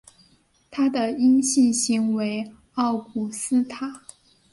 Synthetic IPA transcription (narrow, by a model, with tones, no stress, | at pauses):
t̪ʰa˥d̪ə˨i˥nɕi˥˩ɕi˧˥ŋwe˧˥ɪ | ɑ˥˩ʊkʰu˨˩sɹ̩˥t̪ʰa˥˩